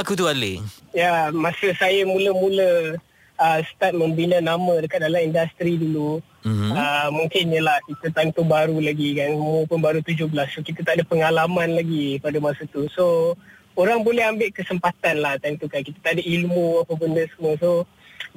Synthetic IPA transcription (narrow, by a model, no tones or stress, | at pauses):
akut̪ualḛjamãsəsajamũləmũlə | əsə̥t̪at̪̚məmbinanamə̃dəkat̪̚dalamindast̪ɾidulu | əmũŋkɪnɲəlahkit̪ət̪ant̪ubaɾulaɡikanilmũpʊnbaɾut̪ud͡ʒʊhbəlasːokit̪at̪aʔdapəŋalamanlaɡipadamasat̪uso | oɾaŋbolɛɦambɪʔkəsəmpat̪anlaht̪ant̪ukankit̪ḁt̪aʔadailmuapəbəndəsəməso